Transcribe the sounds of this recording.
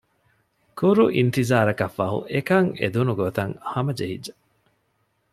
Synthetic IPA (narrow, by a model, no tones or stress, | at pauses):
kuɾuʔint̪izaːɾɐkɐfːɐɦṵʔekɐŋḛd̪unuɡot̪ɐŋhɐmɐd͡ʒeɦḭdd͡ʒːɐ